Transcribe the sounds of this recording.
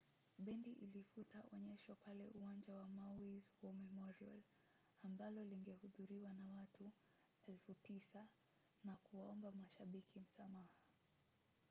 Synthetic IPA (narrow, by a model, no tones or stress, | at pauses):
ɓɛndiʔilifutaʔɔɲɛʃwapalɛʔuwaɲd͡ʒawamawizwɔmɛmɔɾia̰l | ambalɔliŋɡɛhuðuɾiwanawatʰu | ɛlfutisa | nakuwaɔmbamaʃaɓikim̩samaha